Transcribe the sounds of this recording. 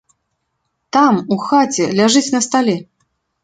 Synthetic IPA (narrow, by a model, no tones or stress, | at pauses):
t̪amuxat͡sʲɛlʲaʐɨt͡sʲnɐst̪alʲɛ